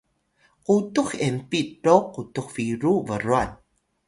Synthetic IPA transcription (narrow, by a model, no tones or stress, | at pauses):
qutuxempiɖoqutuxfiɾuvəɾuan